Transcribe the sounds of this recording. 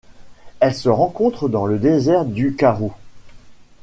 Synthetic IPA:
ɛlsəʁɑ̃kɔ̃t̪χəd̪ɑ̃ləd̪ezɛʁd̪ykaʁo

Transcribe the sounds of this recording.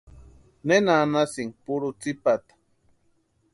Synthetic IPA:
nenanasiŋpuɾʊt͡sipat̪ḁ

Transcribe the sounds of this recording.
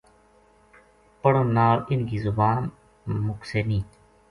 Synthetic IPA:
pəɽõːnaːlɪnɡiːzʊbaːn | mʊkseːnĩː

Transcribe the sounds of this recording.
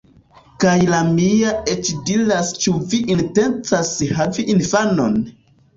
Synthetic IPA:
kajlamiaet͡ʃdilast͡ʃuviʔinte̞nt͡sashaviʔinfano̞̰n

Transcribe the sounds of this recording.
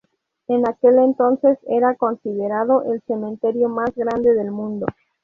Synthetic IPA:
enake̞lent̪o̞nse̞seɾako̞nsiðeɾaðoʔelse̞mẽnt̪e̞ɾjo̞mazɣɾand̪eðelmũnd̪o̞

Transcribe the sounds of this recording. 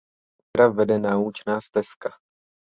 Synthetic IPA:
tɾavɛdɛnaːut͡ʃnaːst̪ɛska

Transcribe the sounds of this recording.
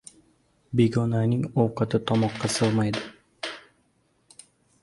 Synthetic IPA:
beɡonaniŋowqɑt̪ɯt̪ʰɒmɒqːɑsɯlˠmɑjd̪ɨ

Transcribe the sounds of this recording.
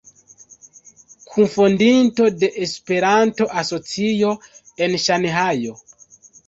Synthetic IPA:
kʰunfondinto̞de̞ʔespe̞ɾanto̞ʔaso̞t͡sijo̞ | e̞nʃanɦajo̞

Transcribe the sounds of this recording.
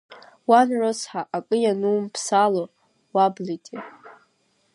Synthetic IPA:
wanrosħaʔakʼɨjanumpʰsalo | wablitʼi

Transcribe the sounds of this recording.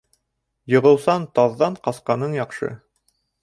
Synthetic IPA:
jɤ̆ʁɤ̆wsɑnt̪ɑðːɑɴqɑsqɑnɤɴjɑqʃɤ̰

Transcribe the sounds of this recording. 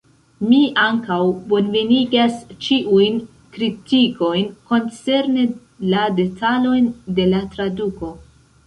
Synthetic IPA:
miaŋkawbonve̞niɡast͡ʃiʔujn | kɾitiko̞jnko̞nt͡se̞ɾne̞ | lade̞tʰalo̞jnde̞latɾaduko̞

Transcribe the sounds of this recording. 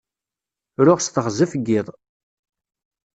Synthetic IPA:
ɾʊʁst̪əχzəfɡːɪðˤ

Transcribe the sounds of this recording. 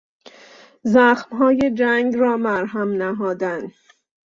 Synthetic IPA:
zæxmɦɒːje̞d͡ʒæŋɡɾɒːmæɾɦæmnæɦɒːd̪ænd̪

